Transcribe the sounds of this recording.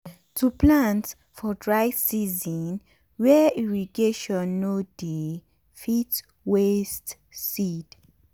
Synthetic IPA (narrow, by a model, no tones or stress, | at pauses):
tʰuplãnt | fɔdɹajsizɔ̃n | wɛiɹiɡeʃɔ̃nːodi | fit | west | sid